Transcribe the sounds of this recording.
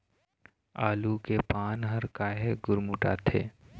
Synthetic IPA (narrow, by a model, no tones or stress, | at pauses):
aːlukepaːnɦɐɾkaːɦeɡʊɾmuʈa̰ːt̪ʰḛː